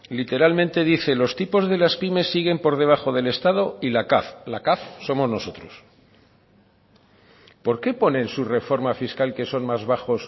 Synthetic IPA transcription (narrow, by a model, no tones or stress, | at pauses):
lit̪e̞ɾalmẽnt̪e̞ðiθe̞lo̞st̪ipo̞zðe̞laspime̞sːiɣ̞e̞mpo̞ɾð̞e̞β̞axo̞ð̞e̞le̞st̪að̞o̞ilakaflakafso̞mo̞znoso̞t̪ɾo̞s | po̞ɾke̞po̞ne̞nsure̞fo̞ɾmafiskalke̞so̞nmazβaxo̞s